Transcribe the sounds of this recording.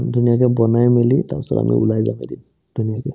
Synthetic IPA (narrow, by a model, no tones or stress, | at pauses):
dʱunijakɛbɔnajmilita̰ɹpɛsɔ̰ɾa̰mḭʔulajza̰ma̰dim | d̥ʱunijakɛ